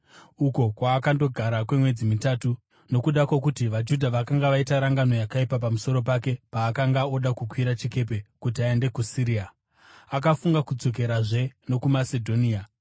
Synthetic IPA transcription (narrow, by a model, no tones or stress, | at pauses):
uko̞kwaːkando̞ɡʱaɾakwe̞mwe̞d͡zimitatu | no̞kuɗakwokutiʋad͡ʒudʱaʋakaŋɡaʋaitaɾaŋɡano̞jakaipap̬amuso̞ɾo̞p̬ake̞paːkaŋɡaoɗakukwiɾat͡ʃike̞p̬e̞kut̬iae̞nde̞kusiɾia | akafuŋɡakud͡zo̞k̬e̞ɾaʐe̞no̞kumase̞dʱo̞nia